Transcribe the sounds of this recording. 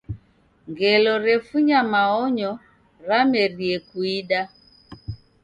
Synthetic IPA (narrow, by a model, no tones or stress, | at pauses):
ŋɡelɔɾefuɲamaɔɲɔ | ramerjekwiɗa